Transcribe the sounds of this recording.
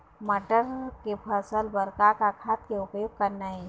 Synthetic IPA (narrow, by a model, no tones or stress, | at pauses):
mɐʈəɾkepʰɐsəlbɐɾkakakʰaːt̪keʊpjoːɡ̚kɐɾnaɦɛ